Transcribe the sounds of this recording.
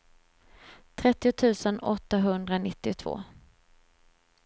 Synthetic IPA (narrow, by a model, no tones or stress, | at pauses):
t̪ʰɾɛt̪ːɪʊt̪ʰʉ̟ːsənɔt̪ːaɦɵnd̪ɾanɪt̪ːɪt̪ʰv̥o̰ː